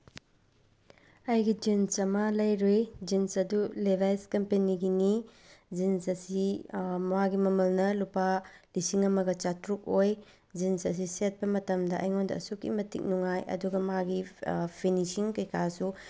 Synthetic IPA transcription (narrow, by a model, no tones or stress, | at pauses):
ɐjɡid͡ʒinsɐmalɐjɾojd͡ʒinsɐdulebʱajskɐmpeniɡini | d͡ʒinsɐsimɐwaɡimɐmɐlnɐlupalisiŋɐmɐɡɐt͡ʃatɾuk̚oj | d͡ʒinsɐs̬iset̚pɐmɐtɐmdɐʔɐ̰jŋondɐ̰ːsukːḭmɐtḭk̚nuŋajʔɐ̰duɡɐmɐaɡipʰinisiŋkɐjkʰasu